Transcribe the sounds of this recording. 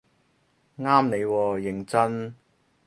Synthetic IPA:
ŋaː˥mne˨˧jwɔː˧jɪ˨˩ŋt͡sɐ˥n

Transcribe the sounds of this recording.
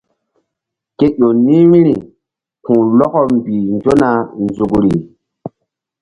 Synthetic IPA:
ke˦jo˨nĩ˦mĩ˦ɾi˨ | tʰũ˨lɔ˦kɔ˦mbi˨nd͡ʒo˦na˨nzu˨kɾi˨

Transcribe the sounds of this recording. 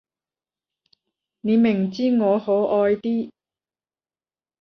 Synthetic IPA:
ne˨˧mɪ˨˩ŋt͡siː˥ŋɔː˨˧ho˨˥wʔɔː˧jt̪iː˥

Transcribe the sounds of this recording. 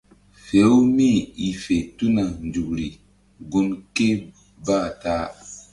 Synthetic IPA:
fe˨˦wmi˦˨i˨fe˨tu˦na˨nd͡ʒu˨kɾi˨ | ɡu˦nke˦ | ba˦˨taː˦

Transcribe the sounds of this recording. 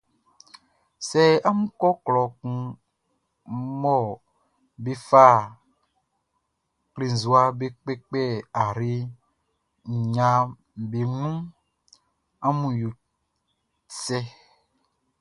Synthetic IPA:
sɛ˦a˦mũ˦kɔ˦klɔ˨kũ˦ | mɔ˦˨ | be˦fa˦˨ | kle˨zu˨a˦be˦k͡pe˦k͡pɛ˦a˨ɾi˦ | ɲ˨ɲã˨ | be˨nũ˦ | a˦mũ˨jo˨ | t͡sɛ˦

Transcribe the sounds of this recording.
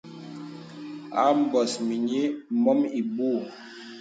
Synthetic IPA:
a̰˨˦m̩˨bɔ˨smi˨ɲi˦mɔ˦mi˨buː˦˨

